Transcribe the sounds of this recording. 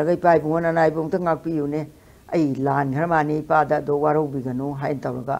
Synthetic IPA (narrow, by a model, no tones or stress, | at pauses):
ɐɡaipajbuŋonanajbuŋdɐŋak̚pijuwne | ɐjlankʰaɾɐmanijpadɐdowaɾɐwbiɡɐnoɦajntawɾɐ̰ɡa̰